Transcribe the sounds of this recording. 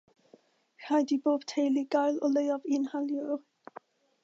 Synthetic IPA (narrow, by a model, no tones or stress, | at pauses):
rajdiboːb̥tʰejliɡajlˠɔlejɔvɪnhaljɔ